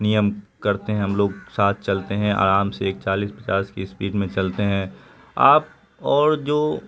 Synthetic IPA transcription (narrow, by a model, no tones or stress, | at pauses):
nijəmkɐɾt̪eɦɛ̃ɦɐmloːɡ̚saːt̪̚ʰt͡ʃɐlt̪eɦɛ̃a̰ːɾaːmseeːk̚t͡ʃaːliːspɐt͡ʃaːskespiːɖmẽt͡ʃɐlt̪eɦɛ̃ː | aːp̚ | ɔːɾd͡ʒoː